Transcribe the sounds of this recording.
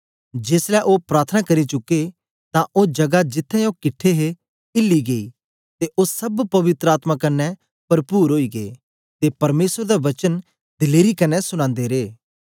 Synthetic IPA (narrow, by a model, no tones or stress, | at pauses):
d͡ʒeːslɛʔopɾaːt̪ʰənakɐɾit͡ʃʊkːe | t̪ãʔoːd͡ʒɐɡad͡ʒɪt̪ʰːɛ̃okɪʈʰːeɦe | ɪlːiɡeḭ | t̪eʔoːsɐbpɐʋɪt̪ɾəaːt̪makɐnːɛ | pɐɾpuːɾɦoːiɡeḛ | t̪epɐɾmeːsəɾd̪aʋɐt͡ʃən | d̪ɪleːɾikɐnːɛsʊɽ̃ãːnd̪eɾeː